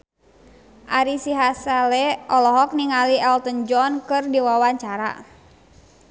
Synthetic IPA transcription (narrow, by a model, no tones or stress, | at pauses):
ʔaɾisiɦasalɛʔɔlɔɦɔk̚niŋaliʔɛlt̪ənd͡ʒɔnkɨrdiwawaɲt͡ʃaɾa̰